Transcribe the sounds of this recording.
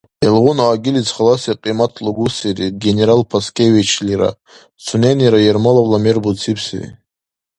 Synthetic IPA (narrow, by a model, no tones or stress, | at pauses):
elʁʊnaːɡʲilit͡sʰχalasaqʼimatʰluɡusiriɡʲenʲeɾalpʰaskʰʲʼevit͡ʃʰliɾa̰ | t͡sʰunʲeniɾajermalawlamerbut͡sʰipʰsḭrḭ